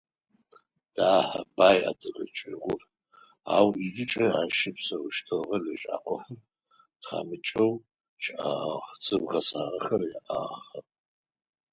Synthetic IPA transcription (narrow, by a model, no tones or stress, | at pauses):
d̥aːħɐ̰baːja̰dɨrɐt͡ʃʼɪʁʷʊr | aːwid͡ʒɪt͡ʃʼɐaːʃɪpsɐwʊʃtʰɨʁɐliʃʼa̰ːqʷʰʼɔħɐr | tχa̰ːmɨt͡ʃʼɐw | t͡ʃʰaχt͡sʰʼɨbʁɐsaːʁɐxɐrjaʔaːχɐpʼ